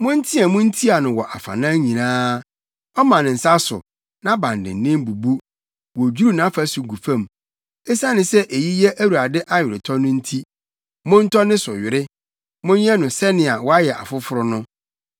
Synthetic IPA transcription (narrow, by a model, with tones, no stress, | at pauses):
mʊ̃˦n̩˦tʰi˦a˨mʊ̃˦n̩˦tʰi˦a˨nʊ̃˨wɔ˨ʔa˨fa̰˨nãː˦ɲĩ˨nãː˦ | ɔ˦mã˨nɪ̃˨n̩˨sa˦sʊ̰˨ | nã˦bã˨ndɪ̰̃˨n˨nɪ̃˦m˦bu˨bu˦ | wɔ˨d͡ʑu˦ɾu˦nã˨˦fa˨su˨ɡu˨fã˦˨m | ɪ˦sã˦nɪ̃˨sɛ˦ʔe˨ji˦jɛ˦ʔæ˦wu˨ɾa˨dɪ˦ʔa˦ɥɪ˨ɾɪ˨tʰɔ˦nʊ̃˦n̩˦tʰi˦ | mʊ̃˦n̩˦tʰɔ˦nɪ̃˦sʊ˨ɥɪ˨ɾɪ˦ | mʊ̃˦n˦ɛ˦nʊ̃˨sɛ˦nɪ̃˨a˨wɔ˦a˦jɛ˨ʔa̰˨fʊ˦fʊ˦ɾʊ˦nʊ̃˦